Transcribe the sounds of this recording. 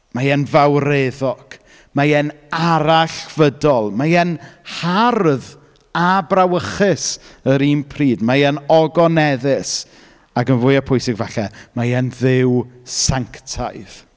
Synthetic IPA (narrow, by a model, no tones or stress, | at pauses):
majɛnvawreðɔɡ̥ | majɛn | aɾaɬv̥ədɔlˠmajɛnharð | abrawəχɪsəɾiːmpʰriːdmajɛnɔɡɔnɛðɪs | akənvʊːjapʰʊjsɪɡvɛɬɛmajɛnðɪwsaŋktʰa̰jð̥